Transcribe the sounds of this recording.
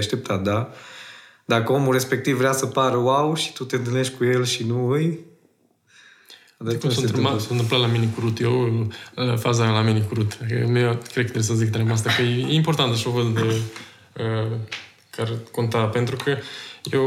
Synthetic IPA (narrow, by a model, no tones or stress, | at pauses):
aʃt̪ep̚t̪at̪̚d̪a | d̪akəomure̞spe̞k̚t̪ivːɾeasəpaɾəwawʃi̥t̪ut̪eɨnt̪ɨlneʃkujelʃinuɨj | ad̪t̪soɨmsont̪ɨmplat̪laminikuɾut̪jew | fazalaminikuɾut̪əmeakɾekət̪ɾesəzikət̪aɾemas̬t̪akəjeimport̪ant̪aʃovəd̪d̪e | ə | karkont̪apent̪ɾukʰəjew